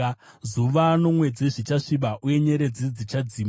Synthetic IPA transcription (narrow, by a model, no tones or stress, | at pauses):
zuʋano̞mwe̞d͡zeʐit͡ʃaʂiɓaʔuje̞ɲe̞ɾe̞d͡zid͡zit͡ʃad͡ziːm